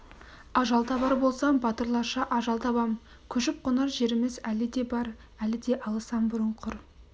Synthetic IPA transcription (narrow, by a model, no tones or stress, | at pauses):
ɑʒɑlˠt̪ʰɑbɑɾbo̞lˠsɑmbɑt̪əɾlˠɑʃɑʔɑʒɑlˠt̪ʰɑbɑm | kʲʰɵʃɪp̚qʰʊnɑɾʒe̞ɾɪmɪzælɪd̪e̞bɑɾ | ælɪd̪e̞ʔɑlˠəsɑmbʊɾəɴqʰʊɾ